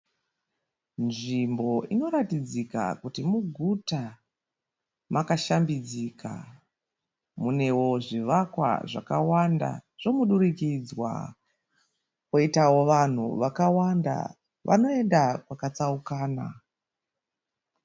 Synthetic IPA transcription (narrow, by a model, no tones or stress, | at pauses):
nʐimbo̞ʔino̞ɾatid͡zika̰kutimuɡʱuta | makaʃambid͡zikʰa̰ | mune̞wo̞ʐiʋakwa̰ʐa̰kawanda̰ʐ̥o̞muɗuɾikid͡zwa̰ | koitawo̞ʋan̤ṵʋakawanda̰ | ʋʔa̰no̞e̞ndakwakat͡saukaːna̰